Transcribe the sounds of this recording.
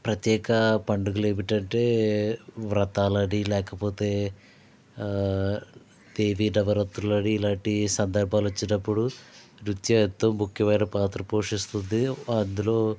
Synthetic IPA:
pɾɐt̪jɛːkɐpɐɳɖuɡuleːmiʈɐɳʈe̞ː | ʋɾɐt̪aːlɐɽilɛːkɐpo̞ːt̪e̞ː | d̪̥eːʋiːɖɐʋɐɾɐt̪ːɾulɐɽiːlaːɳʈisɐnd̪ɐɾbʱaːlʋɐt͡ʃːinɐpːuɽu | ɾut̪jɐt̪ːomukʰjɐʋɐjnɐpaːt̪ɾɐpoːʂist̪und̪iɐnd̪ulo̞ː

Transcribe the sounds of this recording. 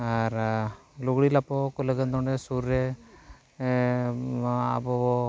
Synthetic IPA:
aɾluɡɽilapɔkɔləɡənd̪ɔɳɖɛsuɾːɛ | a̰bɔbɔ

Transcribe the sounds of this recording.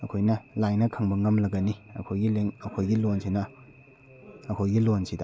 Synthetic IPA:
ɐkʰojnɐlajnɐkʰɐŋbɐŋɐmlɐɡɐniɐ̰kʰojɡileŋɐkʰojɡilonsinɐ | ɐkʰojɡilonsida

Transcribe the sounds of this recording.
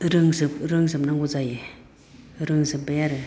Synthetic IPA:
ɾɯŋsɯpɾɯŋsɯpnaŋɡɔzaje | ɾɯŋsɯp̚bajaɾɯ

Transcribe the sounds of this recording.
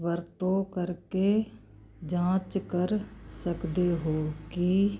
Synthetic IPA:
ʋəɾt̪õːkəɾkeː | d͡ʒãːt͡ʃkəɾsəkd̪eːɦoːki

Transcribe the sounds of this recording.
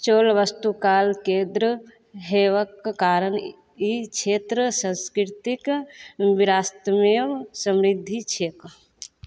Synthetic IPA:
t͡ʃoːlʋəst̪ukaːlkẽd̪ɾə | ɦeːʋəkːaːɾən | it͡ʃʰeːt̪ɾəsə̃nskɾt̪ikʋiɾaːst̪əmewsəmɾid̪ʱːit͡ʃʰeːk

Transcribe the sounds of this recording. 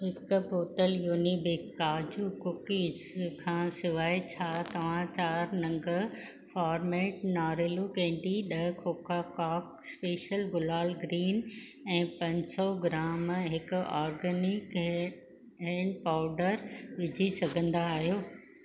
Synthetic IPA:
ɦɪkpoːʈəljuːnibɪkaːd͡ʑukʊkiɪskʰãːsɪʋaːit͡ɕʰaːt̪ɐʋ̤ãt͡ɕaːɾnɐ̃ŋɡəɦ | faːɾmeːʈnaːɾɪlukẽːɳʈiɗɐɦkʰoːkakaːkspeːʃəlɡʊlaːlɡɾiːnɛ̃ːpɐ̃ɲsɔɡɪɾaːmɦɪkʊaːɾɡənɪk | ɛ̃ːɳɖ̚paːʊɖəɾʋɪd͡ʑʱisɐɡʱə̃nd̪aːɦijoː

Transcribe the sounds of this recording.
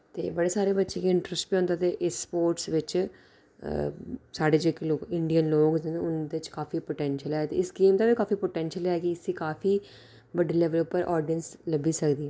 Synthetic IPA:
t̪ḛːbəɽeːsaːɾeːbətːʃeːkiɪɳʈɾəsʈpiːõːnd̪aːt̪eːʔɪspoːɾʈsʋɪt͡ʃ | saːɖeːd͡ʒeːkloːkɪ̃ɳɖijənloːkd͡ʒnʊnd̪eɪt͡ʃkaːfiːpoːʈɛ̃ːnʃəlɦɛːt̪ḛːɪsɡeːmt̪aːbikaːfipoːʈɛ̃ːnʃəlɦɛːɡiɪsiːkaːfʰiː | ʋəɖiːlɛʋəlʊpːəɾʔɔːɾɖijənsləbiːsəkd̪iːɛː

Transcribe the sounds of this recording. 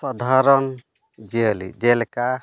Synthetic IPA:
sad̪ʱaɾɔn | d͡ʒɛəlḭd͡ʒɛlɛka

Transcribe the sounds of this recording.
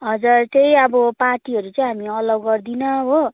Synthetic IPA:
ɦʌd͡zart̪ejʌbʌparʈiɦʌɾut͡sʌij̃ɦamiʌlʌɡːʌrd̪inʌɦo

